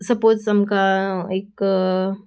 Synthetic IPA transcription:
sɐpoːtɐmkaeːk

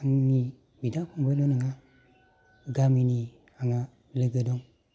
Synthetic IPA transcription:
aŋni | bidakuŋbalonəŋa | ɡamini | aŋa | ləɡədoŋ

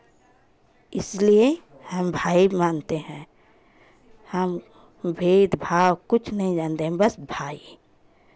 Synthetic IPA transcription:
ɪslie | həmbʱaːibmaːnt̪eɦɛ̃ | həm | bʱeːd̪bʱaːwkʊt͡ʃʰnəɦĩd͡ʒãːnt̪eɦɛ̃bəsbʱaːi

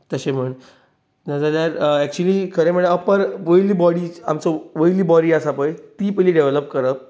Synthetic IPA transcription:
t̪əɕem̤əɳ | nad͡zəljaɾɛk̚t͡ɕuəliːkʰəɾem̤əɽəpəɾʋəjlibɔɽiːamt͡sɔʋəjliːbɔɽiːasapəjt̪iːpəliɖeʋləp̚kəɾəp̚

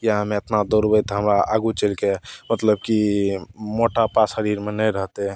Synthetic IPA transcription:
kijaɦəmeet̪nad̪oɾbəjt̪ɦəmɾaʔaɡut͡ʃelkemət̪ləbki | moʈapashəɾiɾmenəɾəɦt̪e

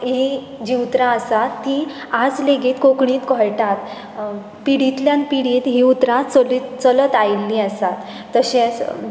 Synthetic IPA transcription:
ɦi | d͡ʑiut̪ɾãəsat̪ːi | ad͡zleɡiːt̪kokɳ̃ĩːt̪kɔɭʈat̪ | piɽit̪ljãnpiɽit̪ɦiut̪ɾãt͡səlit͡sələt̪ailːĩəsat̪ː | əɕẽt͡s

